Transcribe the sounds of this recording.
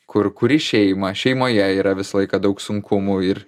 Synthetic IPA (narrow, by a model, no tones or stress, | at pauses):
kʊrkʊɾʲɪʃʲɛɪmɐʃʲɛɪmoːjɛiːɾɐʋʲɪsɐlˠɐɪkɐd̪ɐʊksʊŋkʰʊmʊɪɾ